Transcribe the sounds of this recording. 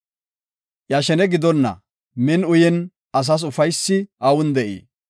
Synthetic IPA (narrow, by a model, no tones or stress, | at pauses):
ʔjɐʃɛnɛɡɪd̪ɔnːɐ̰ | mɛnʊjɛn | ɐs̬ɐs̬ʊfɐjsːɪɐwʊnd̪ɛʔḭː